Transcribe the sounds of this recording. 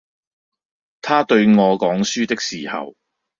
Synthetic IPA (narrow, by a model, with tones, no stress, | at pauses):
t̪ʰaː˥t̪ɵ˧ɥŋɔː˨˧kɔː˨˥ŋsyː˥t̪ɪ˥k̚siː˨hɐ̰˨w